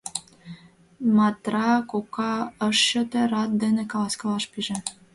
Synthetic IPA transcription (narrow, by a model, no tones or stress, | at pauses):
mɑt̪rɑkokɑəʃɕə̆t̪ĕɾɑt̪̚d̪enĕkɑlɑskɤ̆lɑʃpiʒĕ